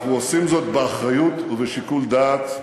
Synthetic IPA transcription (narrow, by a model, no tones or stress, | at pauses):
uosimzo̞t̪̚beaχʁajut̪uveʃikuld̪aːt̪